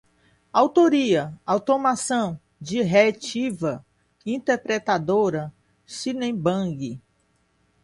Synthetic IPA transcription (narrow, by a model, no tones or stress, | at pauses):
awt̪oɾiɐawt̪omasɐ̃w̃ | d͡ʒɪɦet͡ʃivɐ | ĩt̪eɾpɾet̪ad̪oɾɐ | sinẽbɐ̃ɡɪ